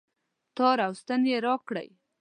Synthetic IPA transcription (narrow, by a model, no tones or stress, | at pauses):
t̪ɑɾawst̪anjeɾɑkɽə̰j